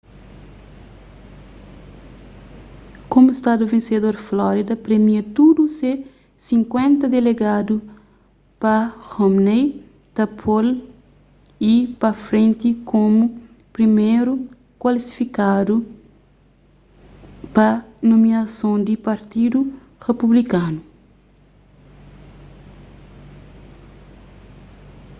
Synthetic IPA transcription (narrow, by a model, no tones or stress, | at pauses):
kõmuist̪ad̪uvẽnsed̪oɾflɔɾid̪ɐpɾemiɐt̪ud̪useɾ | sĩŋkwẽnt̪ɐd̪eleɡad̪u | pɐhomnej | t̪ɐpʰol | ipɐfɾẽnt̪ikomu | pɾimeɾu | kwalisi̥fikad̪u | pɐnõmiɐsõnd̪ipɐɾt̪id̪u | ʁepublikanu